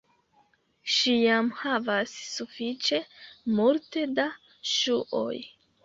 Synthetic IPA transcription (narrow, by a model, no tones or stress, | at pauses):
ʃijamhavasːufit͡ʃe̞muɾte̞da | ʃuʔo̰j